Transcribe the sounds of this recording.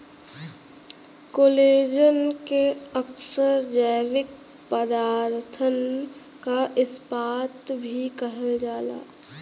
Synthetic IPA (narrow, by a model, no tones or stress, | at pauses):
koːleːd͡ʒənkeəksəɾd͡ʒəːʋɪk̚ | pəd̪aːɾt̪ʰən | kaʔɪspaːt̪bʱikəɦeld͡ʒaːla̰ː